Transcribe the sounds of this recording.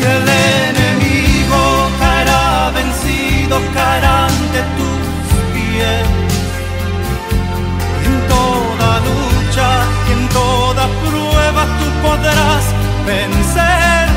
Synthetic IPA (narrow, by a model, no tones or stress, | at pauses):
elenemiɣokaeɾaβe̞nsiðo̞skaeɾand̪e̞t̪u | spjes | ent̪o̞ | ðalut͡ʃa | ient̪o̞ðapɾwe̞βast̪upo̞ðɾas | benseɾ